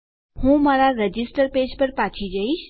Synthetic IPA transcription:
hũmaɾaɾəd͡ʒisʈəɾped͡ʒpəɾpat͡ʃʰid͡ʒəiʃ

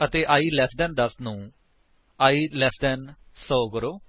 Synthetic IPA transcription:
ət̪eːʔaːiːlɛːsd̪ɛːnd̪əsnũː | aːiːlɛːsd̪ɛːnsɔːkəɾoː

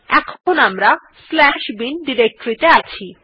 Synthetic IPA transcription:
ɛkʰonamɾa | slɛʃbinɖiɾek̚ʈoɾit̪eat͡ɕʰi

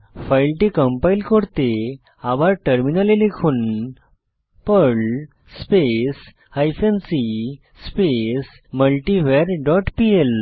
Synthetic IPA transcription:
fajlʈikəmpailkoɽt̪e | abʱaɾʈəɾminalelekʰuːn | pəɭ | spes | hajfensi | spes | məlʈiʋeɾɖɔʈpiel

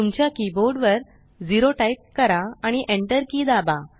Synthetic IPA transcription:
t̪umt͡ɕjakiboɾɖʋəɾ | d͡ziɾoʈajp̚kəɾaaɽ̃iʔẽɳʈəɾkiːd̪aba

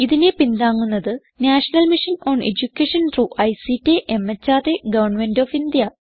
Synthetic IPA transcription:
iðinepind̪aːŋːunːɐðɨ | naːʂɐnɐlmiʂino̞ːɳḛd͡ʑukʲːeʂɐntruʔɐjsitːeʔemːet͡ɕːaːd̪eɡɐʋɐrɳmendoːfind̪jɐ

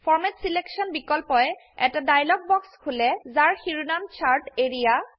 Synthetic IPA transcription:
fʰɔɹmɛtsileksɔnbikɔlpɔjɛ | ɛtadajlɔɡ̚bɔkskʰulɛzaɹxiɹunamt͡ʃʰaɹʈeɹija

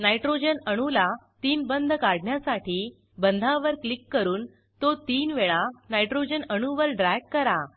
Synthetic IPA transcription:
najʈɾod͡ʑənəɽ̃ulat̪iːnbənd̪ʱkaɽɳjasaʈiː | bənd̪ʱãʋəɾklikːəɾuːn | t̪ot̪iːnʋeɭanajʈɾod͡ʑənəɳ̃uʋəlɖɾajɡ̚kəɾa

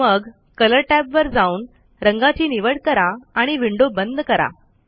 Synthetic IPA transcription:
məɡ | kələɾʈæbʋəɾd͡zauːn | ɾəŋɡat͡ɕiːniʋəɽkəɾaaɽ̃iʋiɳɖobənd̪ʱkəɾa̰

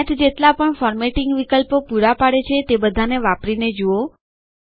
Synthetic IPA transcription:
t̪ʰd͡ʒet̪lapəɳfɔɾmeʈɪŋɡʋikəlpopuɾapaɽet͡ʃʰet̪ebəd̪ʱaneʋapɾined͡ʒuo

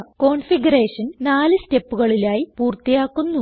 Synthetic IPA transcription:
ko̞ːɳfiɡɐreːʂɐnnaːlɨste̞pːuɣɐɭilaːjipuːrt̪ijaːkːunːu

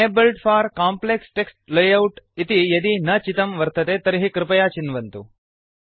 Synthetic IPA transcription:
ebelʈfʰaːɾkaːmpleksʈeksʈlejɐwʈit̪ijɐd̪inɐt͡ʃit̪ɐmʋɐɾt̪ɐt̪eːt̪ɐɾiɦikɾɪpɐjaːt͡ʃinʋɐnt̪u

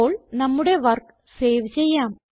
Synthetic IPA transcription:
oːɭnɐmːuɽe̞ʋɐrk | se̞ːʋt͡ɕe̞jːaːm

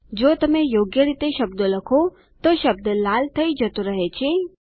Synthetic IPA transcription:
d͡ʒoːt̪əmẽjoːɡjəɾit̪eʃəb̚d̪oləkʰo | t̪oʃəb̚d̪əlaːlt̪ʰəid͡ʒət̪oɾəɦet͡ʃʰe

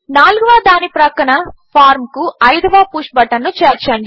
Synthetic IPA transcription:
naːluɡuʋaːd̪aːnipɾɐkɐɳɐpʰaːɾmkuɐjd̪ɐʋaːpuːʂbɐʈːɐnːut͡ʃeːɾt͡ʃɐɳɖi

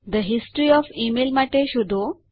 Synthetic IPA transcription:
d̪əɦisʈɾiɔfimelmaʈeɕud̪ʱo

